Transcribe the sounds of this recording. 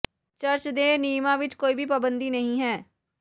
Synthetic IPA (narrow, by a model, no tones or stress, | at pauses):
t͡ʃəɾt͡ʃd̪ẽːniːmãːʋɪt͡ʃkoːiːbʱiːpəbənd̪iːnəɦĩːɦɛː